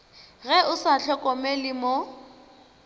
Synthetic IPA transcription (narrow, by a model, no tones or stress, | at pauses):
ɣɛʔʊsaɬʰɔkʼɔmɛlɪmo